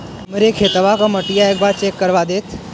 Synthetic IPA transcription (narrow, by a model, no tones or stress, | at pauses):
məɾekʰeːt̪əʋakaməʈijaeːk̚baːɾt͡ʃeːkːəɾʋad̪eːt̪ʰ